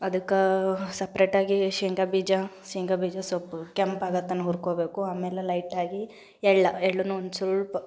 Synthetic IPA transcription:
ɐd̪ɐkːɐsɐpɾeːʈaːɡiʃiŋɡɐbiːd͡ʒɐ | ʃiŋɡɐbiːd͡ʒɐsopːkempaːɡɐt̪ːɐnːuɦuːɾkoːbeːkuaːmɛlelɐjʈaːɡi | ɛɭːɐɛɭːunːuond̪usulp

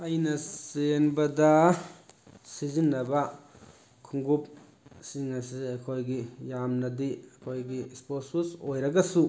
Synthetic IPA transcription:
ajnɐsenbɐdɐ | sizinːɐbɐ | kʰuŋɡup̚ | siŋɐs̬iɐkʰojɡijamnɐdiɐkʰojɡisposusojɾɐɡɐsu

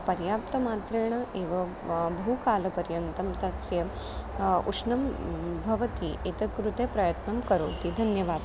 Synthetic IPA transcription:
pɐɾjaːp̚t̪ɐmaːt̪ɾɐɳ̃ɐʔeːʋɐ | bʱukaːlɐpɐɾjɐnt̪ɐmt̪ɐsɾjɐ | ṵʂnɐmbʱɐʋɐt̪iet̪ɐt̪kɾut̪epɾɐjɐt̪nɐmkɐɾoːt̪iːd̪ʱɐnjɐʋaːd̪

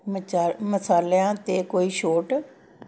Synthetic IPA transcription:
məsaːleãːt̪eːkoːiːʃoːʈ

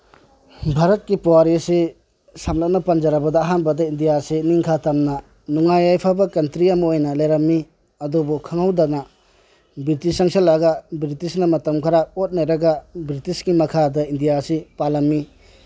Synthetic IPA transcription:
bʱaɾɐt̚kipɔwaɾisi | samlap̚nɐpɐnd͡ʒaɾɐbɐdɐːɦanbɐdɐindijasiniŋkʰatamnɐ | nuŋajajpʰabɐkɐntɾiɐmɐojnɐlajɾamːi | ɐdobukʰaŋawdanɐ | bitisaŋsalːaɡabɾitisnɐmɐtɐmkʰaɾaot̚najɾɐɡabɾitisɡimɐkʰadɐindijasipalɐmːi

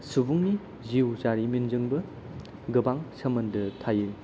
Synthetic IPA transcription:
subuŋni | ziwzaɾiminzɯŋbɐ | ɡɐbaŋsɐmɐndɐtʰaje

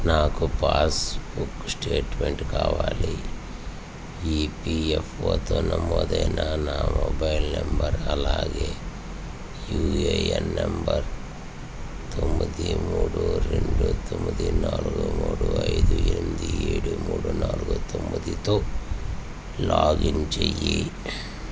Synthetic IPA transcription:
naːkupaːsbuksʈeːʈmeɳʈkaːʋaːli | iːpiefʰoːt̪oːnɐmoːd̪ɐjnanaːmoːbɐjlnɐmbɐɾɐlaːɡeː | juːeenːɐmbɐɾ | t̪omːɐd̪imuːɽuɾeɳɖut̪omːid̪inaːlɡumuːɽuɐjd̪ueɾumid̪ieːɽumuːɽunaːlɡut̪ombɐd̪it̪oː | laːɡint͡ʃejːi

